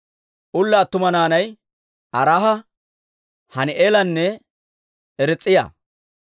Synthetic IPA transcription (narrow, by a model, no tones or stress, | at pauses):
ʔʊlːaːt̪ːʊmɐnaːnɐj | ʔɐɾaːhɐ | hɐnɪʔeːlɐnːɛ | ɛɾɛt͡sʼːɪja̰ː